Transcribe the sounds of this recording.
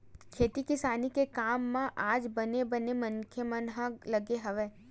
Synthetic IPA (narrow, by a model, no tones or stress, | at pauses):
kʰeːt̪ikɪsaːnikekaːmːãʔaːd͡ʒbənebənemənkʰjəmənɦələɡeɦəʋe